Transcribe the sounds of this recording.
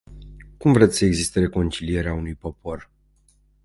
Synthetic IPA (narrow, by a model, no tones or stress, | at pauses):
kumvɾe̞t̪sʲsəeɡzist̪e̞ɾe̞ko̞nt͡ʃilije̞ɾeaunujpo̞pʰo̞r